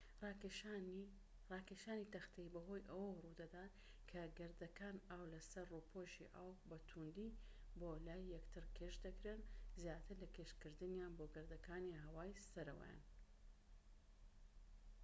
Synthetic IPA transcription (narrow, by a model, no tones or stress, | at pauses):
rɑːkeʃaːnit̪ɐxt̪ʰeibɐɦo̞jʔɐwɐwrud̪ɐd̪aːt̪ | kʰɐɡɨɾd̪ɐkʰaːnaːwlɐsɐɾrupʰoʃḭʔawbɐt̪ʰund̪iboːlaːjːɛkt̪ʰɨɾkʰeʃd̪ɐkɾeːnzjaːt̪ʰɨɾlɐkʰeʃkɨɾd̪ɨnjanboɡɨɾd̪ɐkʰaːniɦɐwaːjsɐɾɐwɐ̰ja̰n